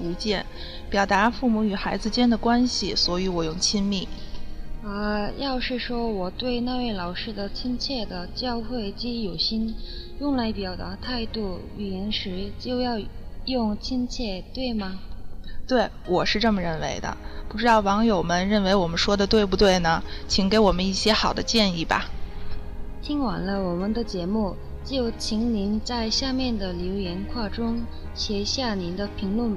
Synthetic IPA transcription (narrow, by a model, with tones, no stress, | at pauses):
u˧˥t͡ɕjɛ˥˩n | pjɑ˨˩ʊt̪a˧˥fu˥˩mu˧˥y˨˩xa˧˥ɪd͡zɹ̩˧t͡ɕjɛ˥nd̪ə˨kwa˥nɕi˨˩swɔ˧˥y˧˥wɔ˨˩jʊ˥˩ŋt͡ɕʰi˥nmi˥˩ | ə˥˧jɑ˥˧ʊʂɻ̩˥˩ʂwɔ˥wɔ˨˩t̪we˥˧ɪna˥˧we˥˩ɪlɑ˨˩ʊʂɻ̩˥˩d̪ə˨t͡ɕʰi˥nt͡ɕʰjɛ˥˩d̪ə˩t͡ɕjɑ˥˧ʊxwe˥˩ɪt͡ɕi˥˩jo˨˩ʊɕi˥n | jʊ˥˧ŋla˧˥ɪpi˨˩jɑ˨˩ʊt̪a̰˧˥t̪ʰa˥˧ɪt̪u˥˩ | y˨˩i˧˥nʂɻ̩˧˥t͡ɕjo˥˧ʊjɑ˥˧ʊjʊ˥˩ŋt͡ɕʰi˥nt͡ɕʰjɛ˥˩t̪we˥˩ɪmɐ˩t̪we˥˩ɪwɔ˨˩ʂɻ̩˥˧ʈ͡ʂɤ˥˩mə˩ɻə˥˩nwḛ˧˥ɪd̪ə̰˧pu˥˩ʈ͡ʂɻ̩˥d̪ɑ˥˩ʊwɑ˧˥ŋjo˨˩ʊmə˦nɻə˥˩nwe˧˥ɪwɔ˨˩mə˦nʂwɔ˥d̪ə˨t̪we˥˧ɪp̬u˥˧t̪̬we˥˩ɪnə˩t͡ɕʰi˧˥ŋke˧˥ɪwɔ˨˩mə˦ni˥˩ɕjɛ˥xɑ˨˩ʊd̪ə˦t͡ɕjɛ˥˧ni˥˩bɐ̰˩ | t̪ʰi˥ŋwa̰˨˩nlə˦wɔ˨˩mə˧˦nd̪ə˧t͡ɕjɛ˧˥mu˥˩ | t͡ɕjo˥˩ʊt͡ɕʰi˧˥ŋni˧˥nt͡sa˥˧ɪɕja˥˧mjɛ˥˩nd̪ə˩ljo˧˥ʊjɛ˧˥nkʰwa˥˩ʈ͡ʂʊ˥ŋ | ɕjɛ˧˥ɕja˥˩ni˧˥nd̪ə˧pʰi˧˥ŋlwə˥˩n